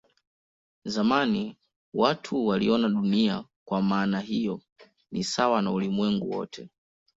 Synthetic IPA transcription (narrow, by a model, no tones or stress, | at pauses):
zamani | watʰuwaliɔnaɗuniakwamaːnaɦijɔ | nisawanaulimwɛŋɡuwɔ̰tʰɛ